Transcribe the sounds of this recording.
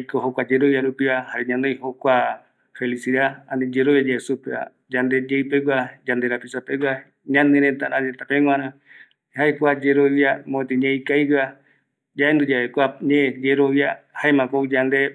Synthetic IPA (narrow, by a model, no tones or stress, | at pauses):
ikoɦokʷad͡ʒeɾoβjaɾupiβahaɾeɲãnejhokʷa | felisiɾaaned͡ʒeɾoβjad͡ʒeesupea̰ | d͡ʒand̪ed͡ʒeipewʷad͡ʒand̪eɾapisapewa | ɲãnẽɾet̪aʔãet̪apeŋ̃ʷãɾã | haekʷad͡ʒeɾoβjamõẽt̪eɲẽikaiɾa | d͡ʒaʔend̪ud͡ʒaekʷaɲẽd͡ʒeɾoβjahaemãkoid͡ʒand̪e